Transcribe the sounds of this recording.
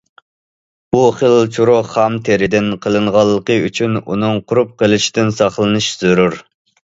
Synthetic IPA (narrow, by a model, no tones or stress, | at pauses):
buχəlt͡ʃʰuɾʊχɑmt̪ʰeɾɪd̪ɪnqʰəlˠɨɴʁɑlˠːəqəyt͡ʃʰynṵnɨŋqʰʊɾup̚qəlˠɨʃi̥t̪ɪnsɑχlˠɨnɨʃz̥øɾuɾ